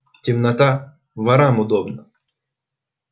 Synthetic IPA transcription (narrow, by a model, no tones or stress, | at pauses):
tʲimnɐt̪a | ʋɐɾamʊd̪ɔbnɐ